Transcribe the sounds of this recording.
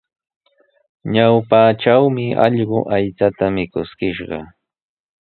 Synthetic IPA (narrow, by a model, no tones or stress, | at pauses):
ɲawpaʈ͡ʂawmɪɑ̰ʎɢʊʔajt͡sat̪amɪkʊskɪʃɢɑ̰